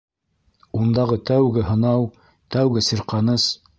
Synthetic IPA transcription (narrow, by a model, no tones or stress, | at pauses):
und̪ɑʁɤt̪æwɡɘɦɤ̆nɑw | t̪æwɡɘsiɾqɑnɤs